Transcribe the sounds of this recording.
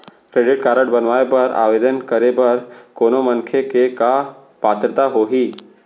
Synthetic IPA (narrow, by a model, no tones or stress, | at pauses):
kɾeːɖɪʈ̚kaɾəʈbənʋaebəɾa̰ʋed̪ənkəɾebəɾkonoməŋkʰjekeka | pat̪ɾət̪aɦoɦiː